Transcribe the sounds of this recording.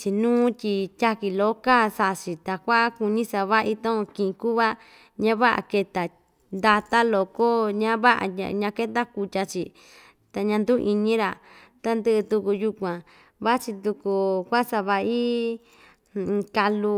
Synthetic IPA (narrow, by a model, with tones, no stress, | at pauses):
t͡ʃi˧nũː˦tʲi˧tʲa˦ki˧lo˦ka˦sa˧ʔt͡ʃi˨t̪a˨kʷa˦ʔku˧nĩ˦sa˧βa˦i˦t̪õ˦õ˧kĩ˧ʔĩ˧ku˦βa˦ | ɲã˦βa˦ʔa̰˨ke˧t̪a˨ | nd̪a˧t̪a˦lo˧ko˦ɲã˦βa˦ʔa̰˧a̰˧ɲã˧ke˦t̪̬a˦ku˧tʲa˧t͡ʃi˧ | t̪a˨ɲã˧nd̪u˦˧ʔi˧nĩ˦ɾa˨ | t̪a˧nd̪ɨ˦ʔɨ˧t̪u˧ku˧ju˧kʷã˨ | βa˦t͡ʃi˧t̪u˧ku˧kʷa˦sa˧βa˧i˦˧ | ka˧lu˧